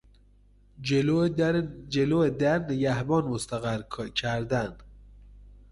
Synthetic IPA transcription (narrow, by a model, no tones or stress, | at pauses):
d͡ʒeloːed̪æɾneɡæhbɒːnmost̪æɣæɾcʰæɾd̪æn̥